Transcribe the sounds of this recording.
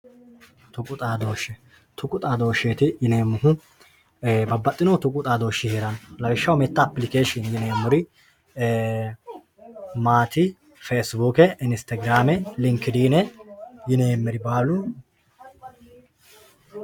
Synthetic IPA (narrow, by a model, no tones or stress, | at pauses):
t̪ʊkʼʊt̪ʼaːd̪o̞ːʃːɛ | t̪ʊkʼʊt̪ʼaːd̪o̞ːʃeːt̪ɪjɪneːmːʊhʊ | bɐbːɐt̪ʼːɪnɔt̪ʊkʼʊt̪ʼaːd̪o̞ːʃːɪheːɾɐnlɐwɪʃːɐwmɛt̪ːɐːpːlɪkeːʃɔnjɪneːmːʊɾɪ | maːt̪ɪ | feːsbuːkɛɪnst̪ɐɡɪɾaːmɛlɪŋkːɪd̪iːnɛjɪneːmːɛɾɪbaːlʊ